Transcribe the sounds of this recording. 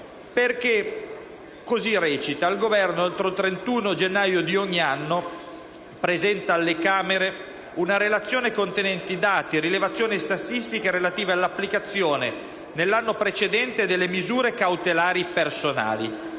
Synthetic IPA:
perk̟e | kozirɛːt͡ʃit̪ailɡovɛrnoalt̪ɾot̪ɾent̪uːnod͡ʒenːaːjod̪ioɲːianːo | pɾezɛnt̪aːlːekaːmeɾe | unaɾelat̪sːjoːnekont̪enɛnt̪id̪aːt̪iɾilevat̪sːjoːnist̪asist̪ikaɾelat̪iːvealːapːlikat̪sːjoːne | nelːanːopɾet͡ʃed̪ɛnt̪ed̪elːemizuːɾekawt̪elaːɾipersona̰ːlḭ

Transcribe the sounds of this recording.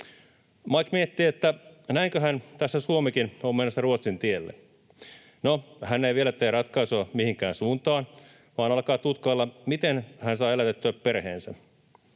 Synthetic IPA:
mɑkmiet̪ːiet̪ːænæiŋkøɦænt̪æsːæsuomikinommenːosːɑruot̪sint̪ielːḛ | nohænːeiʋielæt̪eːrɑt̪kɑisoɑmihiŋkæːnsuːnt̪ɑːn | ʋɑːnɑlkɑːt̪ut̪kɑlːɑmit̪enhænsɑːelæt̪et̪ːyæppe̞rhḛːnsæ

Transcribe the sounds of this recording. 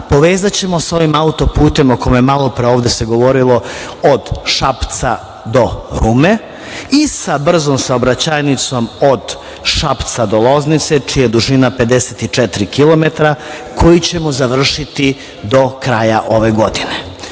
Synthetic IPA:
po̞ʋeːzat͡ɕe̞mo̞so̞ʋimaut̪o̞puːt̪e̞moko̞meemalˠo̞pɾeo̞ːʋd̪ese̞ɡo̞ʋo̞ɾilˠo̞od̪ʃapt̪sa̰ | d̪o̞ɾume̞ | isabr̩zomsaobɾat͡ɕajnit̪so̞mod̪ | ʃapt̪sad̪olˠo̞znit̪set͡ʃijad̪uʒinape̞d̪eset̪it͡ʂet̪ɾikilˠo̞me̞t̪ɾakʰo̞jit͡ɕe̞mozaʋr̩ʃit̪i | d̪o̞kɾaːjaʔo̞ʋe̞ɡo̞d̪ine

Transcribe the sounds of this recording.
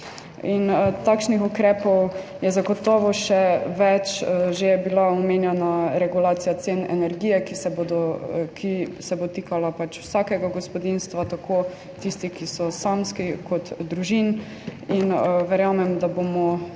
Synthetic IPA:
int̪akʃnixukɾɛːpɔwjɛzaɡɔt̪ɔːʋɔʃɛʋɛt͡ʃʒebilaɔmenjɛnaɾɛɡulaːt̪sijat̪senɛ̰nɛɾɡiːjɛkisɛbod̪ɔkʰisɛbot̪ikalapat͡ʃwsakɛɡaɡɔspɔd̪inst̪ʋat̪akʰo | t̪ist̪ikisɔsamskikɔt̪d̪ɾuʒin | inʋɛɾjamɛmd̪abomɔ

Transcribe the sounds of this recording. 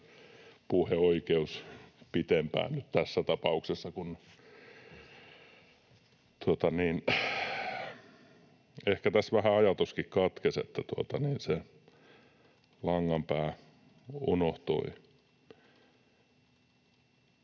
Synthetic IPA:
puheoikeuspit̪empæ̰ːnnyt̪t̪æsːæt̪ɑpɑuksesːɑkun | t̪uot̪ɑniːn | ehkæt̪æsʋæhæɑjɑt̪uskikkɑt̪kesḛt̪ːæt̪uot̪ɑniːnse | lɑŋːɑmpæː | unoht̪o̰i

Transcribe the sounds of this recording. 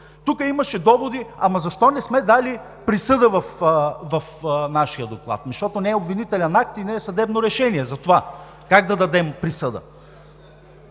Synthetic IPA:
t̪ukəimɐʃɛd̪ɔvod̪iɐmɐzɐʃt̪ɔnɛsmɛd̪ali | pɾisɤd̪əvɐfvɐfnaʃijəd̪oklˠa̰t̪nɐʃt̪ɔt̪onɛːobvinit̪ɛlʲɛnak̚t̪inɛːsɐd̪ɛbnoɾɛʃɛniɛzɐt̪ova | kaɡ̚d̪ɐd̪ɐd̪ɛmpɾisɤd̪ə̰

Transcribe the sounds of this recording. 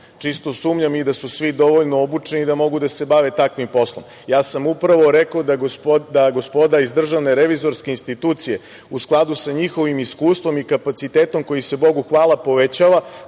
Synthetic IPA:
t͡ʂist̪o̞suːmɲamid̪asusʋid̪o̞ʋoʎnoobut͡ʂe̞nid̪amo̞ɡud̪ase̞baʋe̞t̪akʋimpo̞slˠo̰m | jaːsamupɾaʋo̞ɾekod̪d̪aɡo̞spo̞d̪aizd̪r̩ʒaʋne̞ɾeʋizo̞ɾske̞inst̪it̪uːt̪sije̞ | usklˠad̪usaɲixo̞ʋimiskuːst̪vʋo̞mikapat̪sit̪eːt̪o̞mko̞jise̞bo̞ɡuxʋaːlˠapo̞ʋet͡ɕaʋa

